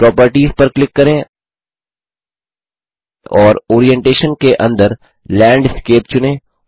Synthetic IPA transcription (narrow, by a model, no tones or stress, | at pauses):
pɾɔːpəɾʈiːzpɐɾklɪkːɐɾẽː | ɔːɾoːɾiɛ̃ɳʈeːʃənkeʔɐ̃nd̪əɾ | lɛ̃ːɳɖɪskeːp̚t͡ʃʊnẽː